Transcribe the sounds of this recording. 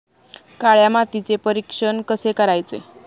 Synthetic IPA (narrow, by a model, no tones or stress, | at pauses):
kaɭjamat̪it͡sepəɾikʂənkəsekəɾajt͡se